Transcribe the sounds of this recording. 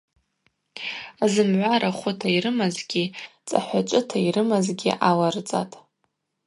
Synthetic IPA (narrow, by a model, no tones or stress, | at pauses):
azɨmʕʷaɾaχʷʊtʰaiɾɨmazɡʲit͡sʼa̰ħʷat͡ʃʷʼɨtʰairɨmazɡʲḭʔalart͡sʼa̰tʼ